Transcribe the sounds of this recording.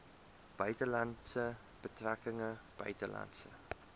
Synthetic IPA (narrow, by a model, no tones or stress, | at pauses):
b̥œɥtəlɐntsə | b̥ətrækəŋəb̥œ̰ɥtəlɐ̰ntsə̰